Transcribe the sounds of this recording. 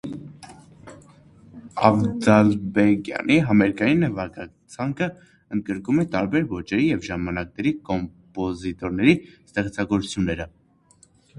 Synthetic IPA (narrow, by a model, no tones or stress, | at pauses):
ɑvd̪ɑlbɛkjɑ̰niɦɑmɛɾkɑjinːəvɑkɑ | t͡sʰɑŋkʰə | ənd̪̚ɡəɾkumɛt̪ɑɾbɛɾvɔt͡ʃɛɾijɛvʒɑmɑnɑknɛɾikɔmpɔzit̪ɔɾnɛɾist̪ɛχt͡sʰɑɡɔɾut͡sʰjunːɛɾə